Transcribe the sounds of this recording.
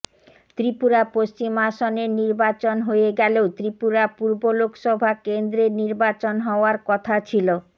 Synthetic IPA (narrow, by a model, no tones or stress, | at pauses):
t̪ɾipuɾapost͡ɕimaʃoneɾniɾbat͡ɕonɦoeɡɛleot̪ɾipuɾapuɾbolokʃɔbʱakend̪ɾeɾniɾbat͡ɕonɦɔoaɾkɔt̪ʰat͡ɕʰilo